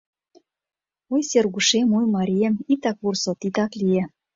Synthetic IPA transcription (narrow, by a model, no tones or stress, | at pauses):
ojserɣuʃemujmɑɾʲijemit̪ɑkβursot̪it̪ɑklije